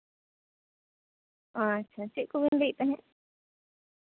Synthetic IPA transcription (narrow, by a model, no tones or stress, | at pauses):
at͡ʃʰat͡ʃiʔkuβind̪it̪ãɦẽʔ